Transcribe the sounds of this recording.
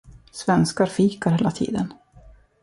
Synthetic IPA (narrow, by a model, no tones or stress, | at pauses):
svɛnskaɾfiːkaɾheːlat̪ʰḭːd̪ən